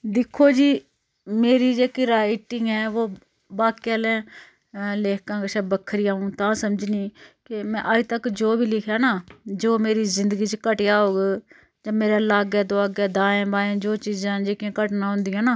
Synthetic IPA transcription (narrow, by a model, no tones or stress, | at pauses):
d̪ɪkʰːoːd͡ʒiː | meːɾiːd͡ʒeːkiːɾaːɪʈːɪ̃ŋɡɛ̃ːʋoː | baːkialɛ̃ː | leːkãːkəʃɛːbəkʰəɾiːaːũːt̪ãːsəmd͡ʒniːkemɛ̃ːʔaːit̪əkd͡ʒoːbʱiːlɪkʰjaːnaːd͡ʒoːmeːɾiːzɪnd̪əɡiːt͡ʃkəʈjaːɦoːɡeː | d͡ʒãːmeːɾaːlaːɡɛːd̪oaːɡɛːd̪aːẽːbaːẽːd͡ʒoːt͡ʃiːzãːd͡ʒeːkãːkəʈnaːɦʊ̃nd̪ijãːnaː